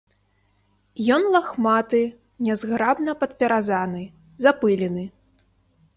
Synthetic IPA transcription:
jɔnlˠaxmat̪ɨ | nʲɛzɣɾabnɐpɐt̪̚pʲɛɾazanɨ | zapɨlʲɛnɨ

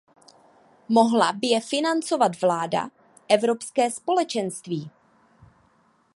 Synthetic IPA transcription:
mo̞ɦlabɪjɛfɪnant͡so̞vat̪vlaːda̰ | ʔɛvɾo̞pskɛːspo̞lɛt͡ʃɛnst̪viː

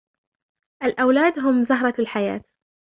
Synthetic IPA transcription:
ʔalʔawlaːd̪ɦʊmzʊɦɾˤɑlħaja̰ːt̪

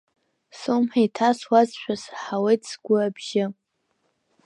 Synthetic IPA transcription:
sɨwmħajtʰaswazʃʷᶣasħawejtʰʼsɡʷʊabʒ̥ɪ

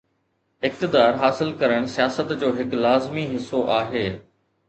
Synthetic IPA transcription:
ɪk̚t̪ɪd̪aːɾɦaːsɪlkɐɾəɽ̃sijaːsət̪d͡ʑoːɦɪklaːzmiɦɪsːoʔaːɦeː

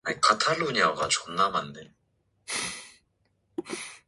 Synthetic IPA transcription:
akʰat̪ʰaloɲiaɡa̰t͡ɕɔnːamand̪en

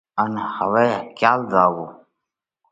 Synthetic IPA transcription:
ənhəʋeːkjaːlzaːɡoː

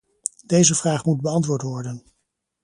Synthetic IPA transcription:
dejzəvraːχmud̚bəɑntʋʊːɹtʋɔɹdən

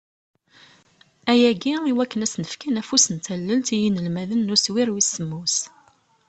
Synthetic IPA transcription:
æjæɡiiwækːənæsnəfkænæfusənt̪ælːəlt̪ijinəlmæðənːʊswiɾwisəmːus

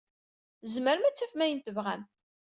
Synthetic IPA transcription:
zməɾəmæt͡sːæfmæjənt̪əvʁæm

